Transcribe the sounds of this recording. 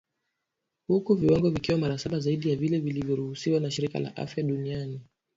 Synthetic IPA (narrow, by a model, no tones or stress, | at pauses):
hukuviwaŋɡɔvikiwamaɾasaɓazaiɗijavilɛvilivjɔɾuhusiwanaʃiɾika̰la̰ʔa̰fjaɗuniani